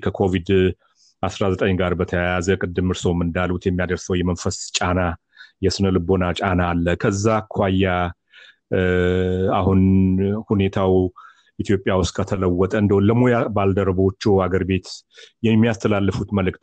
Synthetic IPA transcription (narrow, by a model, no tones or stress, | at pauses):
kʰəkʰo̞vid̪ | ʔasɾazət̪ʼəɲɡaɾbət̪ʰəjajazəkʼɨd̪ːɨmɨɾsəwmɨnd̪alut̪jɛmːijad̪əɾsəwjɛmənfəst͡ʃʼana | jɛsɨnəlɨbo̞nat͡ʃʼanalːəkʰəzːakʰwajːa | ahunhune̞t̪ʰaw | ʔit̪ʰjo̞pʼːjawʊst̪̚ʼkʰət̪ʰələwːɔt̪ʼəɨnd̪əoləmo̞jabald̪əɾbot͡ʃːɛwhaɡəɾbe̞t̪jɛmːijast̪ʰəlalːəfut̪məlɨkʼt̪